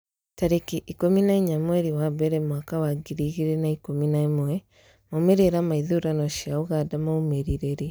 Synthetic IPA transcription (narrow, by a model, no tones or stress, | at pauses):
taɾekiʔikominaiɲamweɾiwaβeɾemwakawaɡiɾiɣiɾenaikominaimwe | momeɾeɾamaiðuɾanoʃiauɣadamaumeɾiɾeɾi